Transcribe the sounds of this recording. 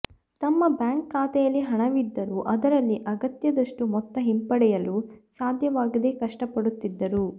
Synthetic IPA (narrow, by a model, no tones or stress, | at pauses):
t̪ɐmːɐbjaːŋkːaːt̪ɛjɐlːiɦɐɳɐʋid̪ːɐɾuʔɐd̪ɐɾɐlːiʔɐɡɐt̪jɐd̪ɐʂʈumɔt̪ːɐɦimpɐɽɛjɐlusaːd̪ʱjɐʋaːɡɐd̪e̞kɐʂʈɐpɐɽut̪ːid̪ːɐɾu